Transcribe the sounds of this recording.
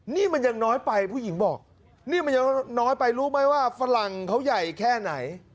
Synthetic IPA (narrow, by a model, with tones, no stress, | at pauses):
niː˥˩ma˧nja˧ŋnɔː˦˥jpa˧jpʰuː˥˩ji˩˦ŋbɔː˨˩k̚ | niː˥˩ma˧nja˧ŋnɔː˦˥jpa˧jɾuː˦˥ma˦˥jwaː˥˩fa˧la˨˩ŋkʰa˦˥wja˨˩jkʰɛː˥˩na˩˦j